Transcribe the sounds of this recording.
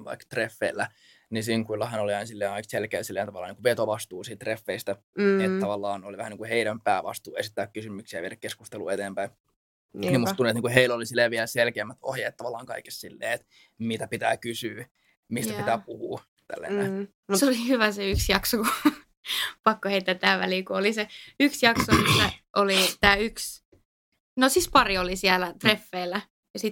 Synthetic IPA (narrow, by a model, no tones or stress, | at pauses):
ʋɑ̰ikt̪refːeilːæ | nisiːŋkuilːɑhɑnoliɑinsilːeːnɑikselkeːlsilːeːnt̪ɑʋɑlːˑɑːniːkuʋet̪oʋɑst̪uːsiːt̪t̪refːeist̪æ | et̪tɑʋɑlːɑːnoliʋæhniːkuheinæmpæːʋɑ̰st̪uːḛsit̪ːæːkkysymyksiæ̰ʋieɾækeskust̪elṵːet̪eːmpæin | nːnimːustt̪uniet̪niːŋkuheilolisilːeːʋielselkeːmːæt̪o̰hjeːt̪tɑʋɑlːˑɑːŋkɑike̥ssilːḛːet̪ | mit̪æpit̪æːkysyː | mist̪æit̪æːpuhuː | t̪æ̰lːæ̰nːe | museolihyʋæseyksjɑksoku | pɑkːoheit̪ːæt̪t̪ːæːʋæ̰liːkuoliseyksjɑksomisːæʔolit̪æːyks | nosispɑriolisiælæt̪refːeːlːæ | jɑsit̪